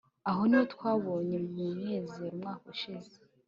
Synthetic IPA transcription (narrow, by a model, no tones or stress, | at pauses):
aɦo̞niwotkwaːβo̞ːɲe̞umŋeːzeɾumŋaːkoʃize̥